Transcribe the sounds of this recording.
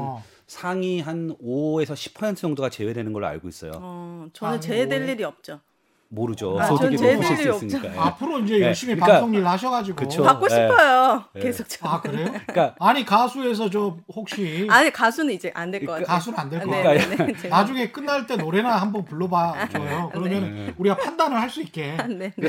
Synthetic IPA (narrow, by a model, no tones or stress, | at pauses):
sʰaŋiɦanoe̞sʰʌɕʰi̥pʰːʌsʰentʰɯjʌŋdoɡat͡ɕe̞we̞dwe̞nɯnɡʌɭa̰ɭɡois͈ʌjo̰ʌt͡ɕʌnɯnt͡ɕe̞deʎːiɾiʌp̚t͡ɕ͈o | moɾɯd͡ʑooɡieoɕiisɯɲt͡ɕk͈aapʰɯɾoind͡ʑe̞jʌɭɕ͈imipaks͈oŋɲiɾɯɭhaɕ̬ʰʌɡad͡ʑiɡɯooakk͈oipʰʌjokesʰok̚t͡ɕʰakɯɾe̞jokaaɲikasʰues̬ʰʌt͡ɕomhok̚ɕ͈iaɲikasʰunɯnid͡ʑe̞ʔandwekʌkakasʰunɯnandwe̞ɭk͈ʌ | nad͡ʑuŋe̞k͈ɯnːaɭt͈e̞noɾe̞nahambʌnpuɭːʌbajd͡ʑojokɯɾʌmjʌnɯnuɾiɡapʰandanɯɭhaɭs͈uit̚k͈e̞ne